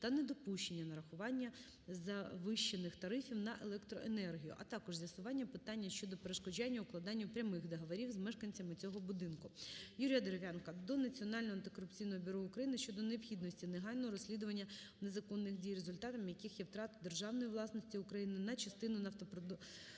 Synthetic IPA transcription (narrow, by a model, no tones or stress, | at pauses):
t̪ɐnɛd̪ɔpuʃt͡ʃe̞nʲːɐnɐɾɐxʊʋɑnʲːɐ | zɐʋɪʃt͡ʃːenɪxt̪ɐɾɪfʲiwnɐʔelˠɛkt̪ɾɔʔenɛrɦʲijʊ̰ʔɐt̪ɑkɔʒzʲjɐsʊʋɑnʲːɐpɪt̪ɑnʲːɐʃt͡ʃɔd̪ɔpeɾeʃkɔd͡ʒanʲːɐʊklˠɐd̪ɑnʲːʊpɾʲɐmɪxd̪eɦɐʋɐɾʲiwzmɛʃkɐnʲt͡sʲɐmɪt͡sʲɔɦɔbʊd̪ɪnkʊjuɾʲijɐd̪eɾeʋʲankɐd̪ɔnɐt͡sʲiɔnɑlʲnɔɦɔɐnt̪ɪkɔrʊpt͡sʲijnɔɦɔbʲiɾɔʊkɾɐjinɪʃt͡ʃɔd̪ɔneɔpxʲid̪nɔsʲtʲineɦɑlʲnɔɦɔɾɔsʲlʲid̪ʊʋɐnʲːɐ | ne̞zɐkɔnːɪxdʲijrezʊlʲt̪ɑt̪ɐmjɐkixjɛwt̪ɾɑt̪d̪e̞rʒɑwnɔjiʋlˠɑsnɔsʲtʲiʊkɾɐjinɪnɐt͡ʃɐst̪ɪnʊnɐwt̪ɔpɾɔd̪